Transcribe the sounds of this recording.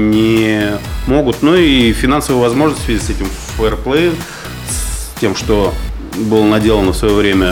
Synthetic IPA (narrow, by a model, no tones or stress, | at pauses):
nʲɪ | mo̞ɡʊt̪nuifʲɪnansəvəɨjvɐzmo̞ʐnəsʲtʲsvʲɪzʲitʲsɛtʲɪm | fəɛrplˠɛ | sʲtʲe̞mʂt̪o̞ | bɨlˠənɐdʲelˠənəfsvɐjovɾʲemʲə